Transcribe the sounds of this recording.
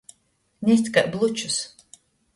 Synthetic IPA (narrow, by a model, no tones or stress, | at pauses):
nʲɛs̬ʲt̪ʲkaʔblˠut͡ʃus